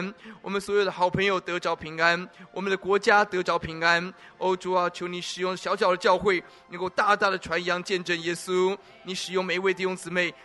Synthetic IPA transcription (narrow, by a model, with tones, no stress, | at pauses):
nwɔ˨˩mə˦nswɔ˧˥jo˨˩d̪ə˦xɑ˨˩ʊpʰɤ˧˥ŋjo˧ʊt̪ɤ˧˥ʈ͡ʂɑ˧˥ʊpʰi˧˥ŋa˥nwɔ˨˩mə˦nd̪ə˧˦kwɔ˧˥t͡ɕja˥t̪ɤ˧˥ʈ͡ʂɑ˧˥ʊpʰi˧˥ŋa˦˥n | o˥ʊʈ͡ʂo˥a˨˩t͡ɕʰjo˧˥ʊni˧˥ʂɻ̩˨˩jʊ˥˩ŋɕjɑ˧˥ʊɕjɑ˨˩d̪ə˦t͡ɕjɑ˥˧ʊxwe˥˩ɪ | nə˧˥ŋko˥˧ʊt̪a˥˧t̪a˥˩d̪ə˩ʈ͡ʂʰwa˧˥njɑ˧˥ŋt͡ɕjɛ˥˧nʈ͡ʂə˥˩njɛ˥su˥ | ni˧˥ʂɻ̩˨˩jʊ˥˩ŋme˨˩ɪ˧we˥˧ɪt̪i˥˩jʊ˥ŋt͡sɹ̩˨˩me˥˩ɪ